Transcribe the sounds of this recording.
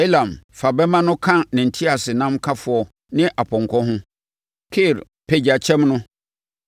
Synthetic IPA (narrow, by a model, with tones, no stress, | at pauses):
e˦lã˨mfa˨bɛ˦mã˦nʊ̃˦kʰã˦nɪ̃˨n̩˨tʰi˦a˨sɪ˨nã˦mkʰa˦fʊ˨ɔ˨ | nɪ̃˦ʔa˨pʰɔ̃˨ŋ˨kʰɔ̃˦ɦʊ̃˦ | kʰɪ˦˨ɾ | pʰe˨d͡ʑa˨t͡ɕʰɛ̃˦mnʊ̃˦